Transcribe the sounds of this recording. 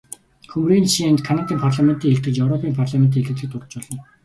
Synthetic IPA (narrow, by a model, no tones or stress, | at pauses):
xɵmriːnʃient̪kʰanat̪iːmpʰarɮamen̥t̪iŋxeɮt̪ɘ̆t͡ɕjewɾɔpʰiːmpʰarɮament̪iːeɮɘ̆t̪ɘ̆k̚t̪ʊrt̪̆t͡ɕpɔɮɞ̆n